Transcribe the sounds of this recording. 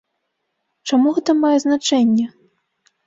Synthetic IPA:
t͡ʂamuɣɛt̪ɐmajɛznat͡ʂɛnʲːɛ

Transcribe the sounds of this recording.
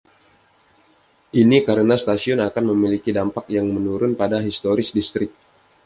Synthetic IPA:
ʔinikaɾənast̪asiɔnakanməmilikidampakjaŋmənuɾʊnpadaɦist̪oɾɪsdist̪ɾɪk̚

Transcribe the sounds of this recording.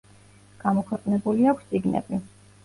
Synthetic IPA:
ɡ̥amɔkʰwɛqʼnɛbuliakʷʰst̪sʼiɡnɛ̰bi

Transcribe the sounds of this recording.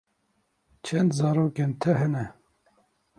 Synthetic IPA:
t͡ʃʰɛnd̪zɑːɾoːkeːnt̪ʰɛɦɛnɛ

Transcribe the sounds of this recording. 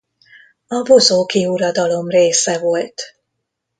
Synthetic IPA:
ɒvo̞zoːkiuɾɒd̪ɒlo̞mreːsɛvo̞lt̪

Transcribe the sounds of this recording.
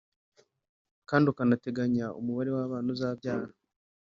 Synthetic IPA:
kaːndiukanate̞ɡaɲaṵmuβaɾe̞waːβaːnozaːbjaːha

